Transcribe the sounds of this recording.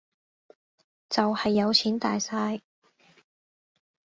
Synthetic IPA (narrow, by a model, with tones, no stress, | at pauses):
t͡sɐ˨whɐ˨jːɐ˨˧wt͡sʰiː˨˥nt̪a̰ː˨jsaː˧j